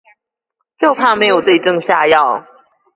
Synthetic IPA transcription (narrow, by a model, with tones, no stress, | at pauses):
jo˥˧ʊpʰa˥˩˨me˧˥ɪjo˨˩ʊt͡se˥˩ɪʈ͡ʂɤ˥˧ŋɕja˥˧jɑ˥˨ʊ